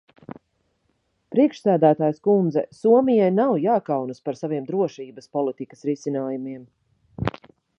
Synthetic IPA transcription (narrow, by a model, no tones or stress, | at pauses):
pɾiɛkʃsæːd̪æːt̪aːjskund̪zɛsuɔmijajnawjaːkawnaspaɾsaviɛmd̪ɾuɔʃiːbəspɔlˠit̪ikə̥sɾisinaːjumiɛm